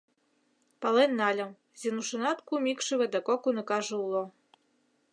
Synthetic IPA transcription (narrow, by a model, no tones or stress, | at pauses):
pɑlenːɑlʲɤ̆m | zʲinuʃɤ̆nɑt̪kumʲikʃɘβĕd̪ɑkokunɤ̆kɑʒɤ̆ulˠo